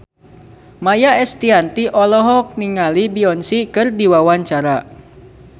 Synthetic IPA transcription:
majaɛst̪iant̪iʔɔlɔɦɔk̚niŋalibiɔnsikɨrdiwawaɲt͡ʃaɾa

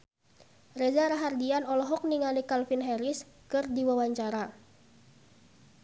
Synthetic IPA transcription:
rezaɾaɦardianɔlɔɦɔk̚niŋalikalfinɦɛɾis | kɨrdiwawaɲt͡ʃaɾa

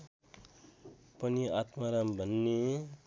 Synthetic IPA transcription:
pʌniat̪maɾambʱʌnːe

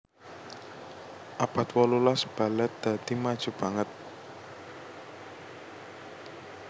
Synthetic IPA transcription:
ʔapat̪wɔlulasb̥a̤lɛt̪̚d̪̥a̤d̪̥imad̥ʒ̥ṳb̥a̤ŋət̪̚

